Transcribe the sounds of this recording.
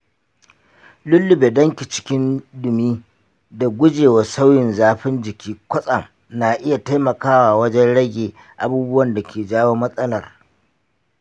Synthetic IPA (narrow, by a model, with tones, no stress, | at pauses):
lʊ˦lːʊ˨beː˨dɐ˦ŋkʲi˨t͡ʃɪ̥˦kʲɪ˦ndʊ˨miː˦ | da˨ɡʷʊ˦d͡ʒeː˨wa˨sa˦wjɪ˨nzaː˦ɸɪ˦nd͡ʒɪ˨kʲiː˦kʷɐ˦sʼɐ˨ŋ | na˨ʔɪ˦ja˨ta˦jmɐ˨kaː˦waː˨wɐ˦d͡ʒɛ˦nɽɐ˦ɡʲeː˨ | ʔa˨buː˦bʊ˦wɐ˨nda˨kʲeː˨d͡ʒaː˦woː˦mɐ˦sʼɐ˦lɐ˨r